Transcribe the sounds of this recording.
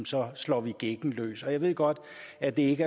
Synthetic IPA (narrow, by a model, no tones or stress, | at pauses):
msɒ̽slɒ̰ːʋiɡ̥eɡ̥n̩lø̰ːsɒ̽jɑ̈ɪʋe̝ð̰ˠɡ̥ɒ̽d̥ | æd̥e̝e̝ɡəæ